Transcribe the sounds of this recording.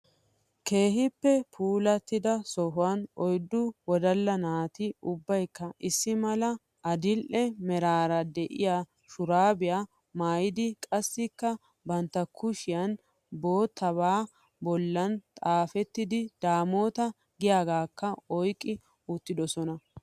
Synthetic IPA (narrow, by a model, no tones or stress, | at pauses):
kʰe̞ːɦɪpːɛpʰuːlɐt̪ːɪd̪ɐsɔɦʊwɐnɔjd̪ːʊwɔd̪ɐlːɐnaːt̪ɪʊbːɐjkːɐʔɪsːɪmɐlɐ | ɐd̪ɪlʔɛmɛɾaːɾɐd̪ɛʔɪ̰jaː | ʃʊɾaːbɪjaː | maːjɪd̪ɪkʼɐsːɪkːɐ | bɐnt̪ːɐkʰʊʃɪjɐn | bo̞ːt̪ʰːɐβaː | bɔlːɐnt̪ʼaːfɛt̪ːɪd̪ɪd̪̥aːmo̞ːt̪ɐ | ɡɪjaːɡaːkːɐɔjkʼːɪ | ʊt̪ːɪd̪ɔsɔnɐ